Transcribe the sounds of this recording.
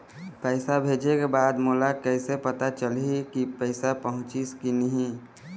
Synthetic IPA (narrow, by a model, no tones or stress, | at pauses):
pəɪsabʱeːd͡ʒekebaːd̪moːlakɛɪsepət̪at͡ʃəlɦikipəɪsapəɦʊ̃t͡ʃiskinəɦĩ